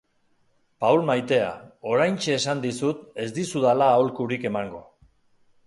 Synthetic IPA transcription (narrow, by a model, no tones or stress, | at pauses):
pawlmajt̪e̞a̰o̞ɾajnt͡ʃe̞ːsand̪isut̪e̞zd̪isuðalaːolkuɾike̞maŋɡo̞